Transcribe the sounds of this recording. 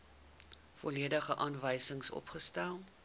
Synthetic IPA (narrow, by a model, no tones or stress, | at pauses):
fɔliədəχəʔɑːnvəjsəŋsɔ̰pχəstælˠ